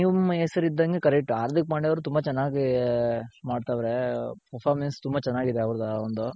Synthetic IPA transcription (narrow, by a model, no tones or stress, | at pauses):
niːʋeːsɐɾiid̪ːɐŋɡe̞kɐɾɛk̚ʈːuaːɾt̪ikmaːɽiʋɐɾut̪umbɐt͡ʃɛnːaːɡi | maːɖt̪aːʋɾepɐɾpʰaːɾmenst̪umbɐt͡ʃɛnːaːɡid̪eɐʋɐɾd̪ɐond̪u